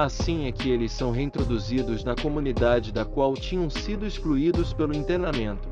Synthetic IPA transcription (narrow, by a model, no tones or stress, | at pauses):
asĩɛkɪelɪssɐ̃w̃ɦeĩt̪ɾod̪uzid̪ʊznɐkomũnid̪ad͡ʒɪd̪ɐkwawt͡ʃĩɲɐ̃w̃sid̪ʊiskluid̪ʊspelʊĩt̪eɾnamẽnt̪ʊ̥